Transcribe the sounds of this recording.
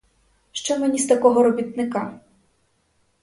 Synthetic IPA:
ʃt͡ʃɛmenʲist̪ɐkɔɦɔɾɔbʲit̪̚nɪka

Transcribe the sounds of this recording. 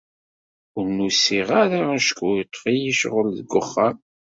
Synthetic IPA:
ʊɾnusiʁaɾaæʃkʰujt̪ˤːfijiʃʁəlðəɡːʊχːam

